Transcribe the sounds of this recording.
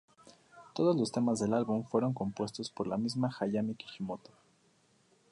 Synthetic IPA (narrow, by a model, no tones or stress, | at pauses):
t̪o̞ð̞ozlo̞st̪e̞mazðe̞lalβuɱfwe̞ɾo̞ŋko̞mpwe̞st̪o̞spo̞ɾlamizmaxaʝamiki̥ximot̪o̥